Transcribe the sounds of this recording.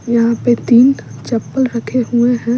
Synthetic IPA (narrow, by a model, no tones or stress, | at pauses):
jɐɦãpet̪iːnt͡ʃɐpːəlɾɐkʰeɦueɦɛ̃ː